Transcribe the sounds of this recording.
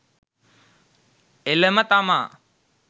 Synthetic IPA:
elemɐt̪amaː

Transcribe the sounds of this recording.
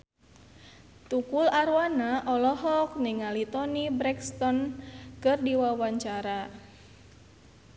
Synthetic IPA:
t̪ukulaɾwanaʔɔlɔɦɔk̚niŋalit̪ɔnibɾɛkst̪ɔnkɨrdiwawaɲt͡ʃaɾa

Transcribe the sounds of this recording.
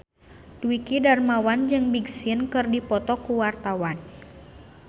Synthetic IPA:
duikidarmawand͡ʒɨŋbiɡsiənkɨrdipɔt̪ɔkuwart̪awan

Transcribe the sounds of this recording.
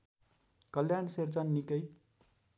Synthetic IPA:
kʌljansert͡sʌnːikʌj

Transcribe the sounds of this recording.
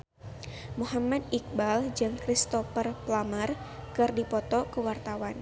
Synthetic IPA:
muɦamad̪̚ik̚bald͡ʒɨŋkɾist̪ɔfərplamərkɨrdipɔt̪ɔkəwart̪awan

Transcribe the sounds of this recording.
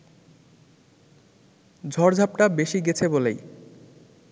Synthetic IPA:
d͡ʑʱɔɾd͡ʑʱap̚ʈabeʃiɡet͡ɕʰebolḛj

